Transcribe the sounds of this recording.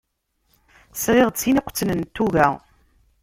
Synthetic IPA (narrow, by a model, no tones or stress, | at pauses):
sʁɪʁt͡sːiniqʷːə̥t͡sːənənt̪ːuɣæ